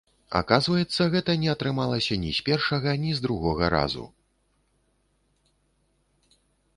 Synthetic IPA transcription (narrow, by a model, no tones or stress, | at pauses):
a̰kazvɐjɛt̪sːɐɣɛt̪ɐnʲɛɐt̪ɾɨmalˠɐsʲɐnʲisʲpʲɛrʂɐɣɐnʲizd̪ɾuɣɔɣɐɾa̰zṵ